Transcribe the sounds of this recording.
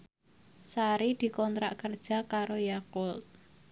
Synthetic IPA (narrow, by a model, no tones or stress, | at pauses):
saɾid̪̥i̤kɔnt̪ɾa̰ʔkərd̥ʒ̥a̤kaɾojakʊlt